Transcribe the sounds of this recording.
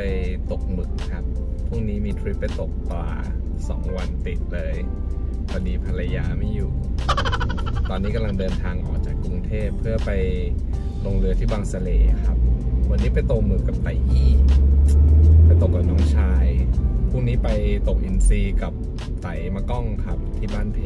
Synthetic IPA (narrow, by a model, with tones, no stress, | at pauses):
pa˧jt̪o˨˩k̚mɯ˨˩k̚kʰa˦˥p̚pʰːu˥˩ŋniː˦˥miː˧t̪ʰɾi˦˥pːa˧jt̪o˨˩k̚t̪waː˧˩ | sɔ̰ː˩˦ŋwa˧npe˨˩k̚lɤː˧j | wa˧diː˧pʰa˧la˧jaː˧ma˥˩jːuː˨˩ | t̪ɔː˧nːiː˦˥ka˧mla˧ŋdɤː˧nt̪ʰaː˧ŋʔɔ̰ː˨˩k̚t͡ɕaː˨˩kːu˧ŋt̪ʰeː˥˩pʰːɯ˥˩ɐpa˧j | lo˧ŋlɯ˧ət̪ʰiː˥˩baː˧ŋsa˧leː˧˩kʰa˦˥p̚ʰwa˧nːiː˦˥pa˧jt̪o˨˩mɯː˨˩ka˨˩p̚t̪a˨˩˦jʔiː˥˩ | pa˧jt̪o˨˩k̚ːa˨˩nɔː˦˥ŋt͡ɕʰaː˧jpʰuː˥˩ŋniː˦˥pa˧jt̪o˨˩k̚ʔi˧nsiː˧ka˨˩p̚ | t̪a˨˦jma˧kɔ˥˩ŋkʰa˦˥p̚t̪ʰiː˥˩baː˥˩npʰe˨˩